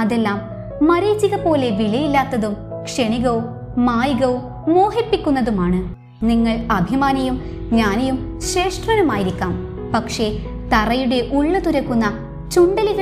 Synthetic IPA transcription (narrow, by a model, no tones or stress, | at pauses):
ɐðe̞lːaːmː | ɐɾeːt͡ɕːiɣɐpo̞ːle̞ʋiɭɐjilːaːt̪ːɐðumkʂe̞ɳiɣɐʋumː | aːjiɣɐʋuː | o̞ːɦipːikʲːunːɐðumaːɳɨ | niŋːɐɭɐbʱimaːnɐjum | ɲaːnejum | ɕre̞ːʂʈrɐnumaːjiɾikʲːaːm | pɐkʂe̞ | t̪ɐrɐjuɽe̞ʔuɭːɐt̪uɾɐkːunːɐ | t͡ɕuɳɖɐliɣɐ